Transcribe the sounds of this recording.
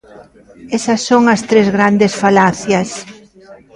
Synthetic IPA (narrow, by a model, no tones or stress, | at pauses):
esɐsːoŋɐst̪ɾezɣɾand̪esfalaθjɐs